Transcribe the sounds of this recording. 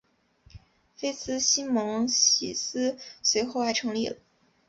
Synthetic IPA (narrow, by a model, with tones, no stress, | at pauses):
fe˥ɪsɹ̩˥ɕi˥nmɤ˧˥ŋɕḭ˨˩sɹ̩˥swe˧˥ɪxo˥˧ʊa˧˥ɪʈ͡ʂʰɤ˧˥ŋlḭ˥˩lə˩˦